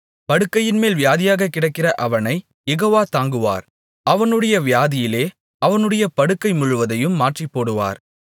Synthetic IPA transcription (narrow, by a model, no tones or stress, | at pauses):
pɐɽɯkːɐjɪnmeːlʋɪjaːðɪjaːɣɐkːɪɽɐɪkːɪrɐʔɐʋɐnɐɪ | jɛɣoːʋaːt̪aːŋɡɯʋa̰ːɾ | ɐʋɐnɯɽɐjɐʋɪjaːðɪjɪleː | ɐʋɐnɯɽɐjɐpɐɽɯkːɐɪmʊɻɯʋɐðɐjɯmːaːʈripːoːɽɯʋa̰ːɾ